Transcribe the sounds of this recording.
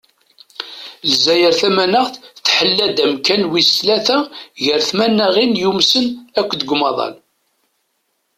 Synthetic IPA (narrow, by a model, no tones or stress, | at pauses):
lzæjəɾθæmænəʁθθħəlːæd̪æmkænwist̪læθæʝəɾθmænːəʁinjumsənækʷːd̪əɡʷmɑðˤɑ̰l